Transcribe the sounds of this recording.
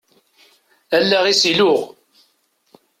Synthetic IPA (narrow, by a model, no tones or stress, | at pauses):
ælːæʁisilʊʁ